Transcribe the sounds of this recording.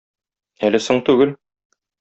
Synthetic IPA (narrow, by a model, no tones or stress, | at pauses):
ælɘsoɴt̪ʉɡɘl